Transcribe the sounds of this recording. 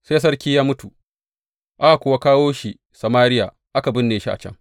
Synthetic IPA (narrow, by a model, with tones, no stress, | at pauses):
seː˦s̬ɐ˦rkʲiː˦jaː˦mʊ˦tu˨ | ʔa˦ʔkʷʊ˨wa˦kaː˦woː˦ʃi˨ | sɐ˨maː˦ɾɪ˦ja˨ | ʔa˦ka˨bɪ˦nːeː˨ʃi˦ʔa̰˨t͡ʃɐ̰˦ŋ